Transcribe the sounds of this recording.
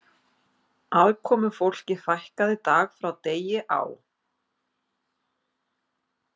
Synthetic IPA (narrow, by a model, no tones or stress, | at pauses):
alkʰɔːmʏfowl̥cɪθajhkaðɪt̪aːɣfɾawt̪eːjɪʔa̰w